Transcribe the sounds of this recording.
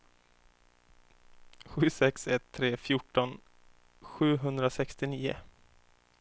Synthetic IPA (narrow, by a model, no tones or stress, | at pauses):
ɧʉ̟ːsɛksɛt̪ʰːɾeːfjʊʈːɔn | ɧʉ̟ːɦɵnd̪ɾasɛkst̪ɪniːʊ̰